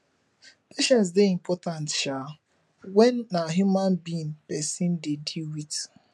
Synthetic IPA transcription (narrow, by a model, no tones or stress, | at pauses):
peʃɛ̃nts̬deimpʰɔtantʃa | wɛnːaɦjumãnbinpɛsĩndediwit